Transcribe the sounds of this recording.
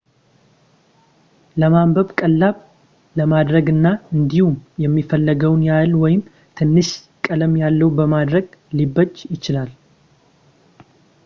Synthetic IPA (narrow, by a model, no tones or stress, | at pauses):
ləmambəβkʼəlːaβ | ləmad̪ɾəɡɨnːaɨnd̪ihumjɛmːifəlːəɡəwnjalwɔjɪm | t̪ʰɨnːɨʃ | kʼələmjalːəwbəmad̪ɾəɡlibːəd͡ʒjɪt͡ʃɪlal